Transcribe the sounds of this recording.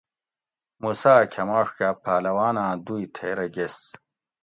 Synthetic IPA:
musaːkʲʰɐmɐʂkapʰaːlɐwaːnãːd̪ujt̪ʰeːɾɐɡes

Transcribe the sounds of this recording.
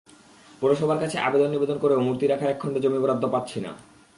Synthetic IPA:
pɔɾoʃɔbʱaɾkat͡ɕʰeʔabed̪onːibed̪onkoɾeomuɾt̪iɾakʰaɾɛkʰːɔɳɖod͡ʑomiboɾad̪ʱːopat̪ːɕʰina̰

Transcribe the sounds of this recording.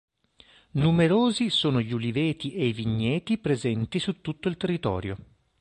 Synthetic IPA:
numeɾoːzisoːnoʎulivɛːt̪iʔeiviɲːɛːt̪ipɾezɛnt̪isut̪ːut̪ːoilt̪erːit̪ɔ̰ːɾjo

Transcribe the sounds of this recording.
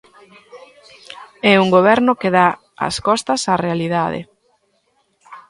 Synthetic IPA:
ɛuŋɡoβ̞ɛɾnʊkeða | a̰skɔst̪ɐsarealiðaðḛ

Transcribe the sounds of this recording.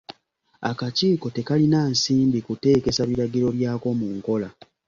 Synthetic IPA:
a̰kaciːko̞te̞kalinaːnsiːmbikute̞ːke̞saβiɾaɡiɾo̞βjaːko̞muŋko̞la

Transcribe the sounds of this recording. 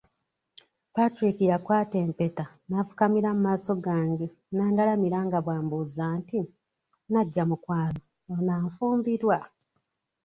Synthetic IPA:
patɾikijakwaːteːmpeta | nafukamiɾamumaːso̞ɡaːŋɡe | naːndalamiɾaŋɡaβwaːmbuzaːnti | naɟːamukwaːno | onaːɱfuːmbiɾwa

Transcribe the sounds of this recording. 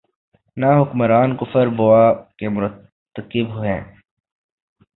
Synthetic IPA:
naɦʊkməɾaːnkʊfəɾboaːkemʊɾət̪ːəkɪbɦʊḛ̃ː

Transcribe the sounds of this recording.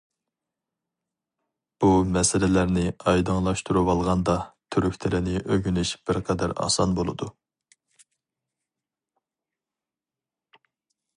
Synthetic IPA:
b̥umɛsɪlɪlæɾnɪɑjd̪ɨŋlˠɑʃt̪ʰuɾuwɑlˠʁɑnd̪ɑt̪ʰyɾykʲt̪ʰɪlɪnɪʔøɡʲynyʃb̥ɪɾqʰɛd̪æɾɑ̰sɑnbolˠɨ̰d̪u

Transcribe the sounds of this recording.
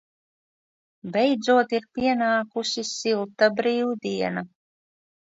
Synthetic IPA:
bɛjd̪zuɔt̪iɾpʲiɛnaːkusisilˠt̪abɾiːwd̪iɛna

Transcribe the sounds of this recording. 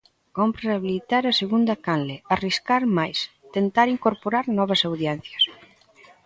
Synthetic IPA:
kompɾeaβilit̪aɾɐseɣund̪ɐkanleariskaɾmajs | t̪ent̪aɾiŋkoɾpoɾaɾnɔβɐsawðjɛn̟θjɐs

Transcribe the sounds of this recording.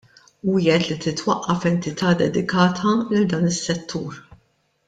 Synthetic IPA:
uːjɛt̪lit̪ɪt̪wɐʔːɐfɛnt̪ɪt̪ʰɐːd̪ɛd̪ɪkɐːt̪ʰɐlɪld̪ɐːnɪsːɛt̪ːuːɾ

